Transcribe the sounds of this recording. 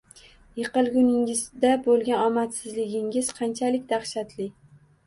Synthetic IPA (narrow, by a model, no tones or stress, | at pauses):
jɨqɨlˠɡʲʊnɪŋɪzd̪abolˠɡʲanɒmat̪sɪzlɪɡʲɪŋɪz̥qʰɑnt͡ʃʰalɪkʲd̪aχʃat̪ʰlɪ